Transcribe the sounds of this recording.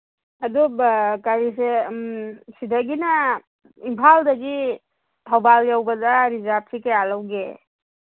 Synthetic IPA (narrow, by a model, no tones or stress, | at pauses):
ɐdukaɾis̬e | sidaɡina | impʰaldɐɡi | tʰawbaljawbadaɾizap̚sikajalawɡe